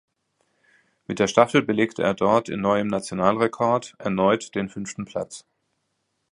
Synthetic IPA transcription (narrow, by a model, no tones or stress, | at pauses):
mɪt̚d̥eːɐʃtafl̩bəleːktəʔeːɐdɔɐtʰɪ̰nːɔʏəmnat͡sjonaːlʁekʰɔɐtʔɛɐnɔʏtd̥eːnfʏnftn̩pʰl̥a̰t͡s